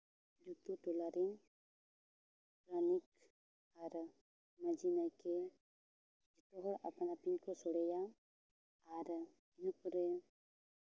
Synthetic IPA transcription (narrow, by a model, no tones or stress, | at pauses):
d͡ʒut̪ut̪ulaɾin | pɾanik̚ | aɾə | mad͡ʒinajke | d͡ʒit̪ɔɦɔɾa̰panapinkɔsɔɽeja | aɾə | inɔpəɾe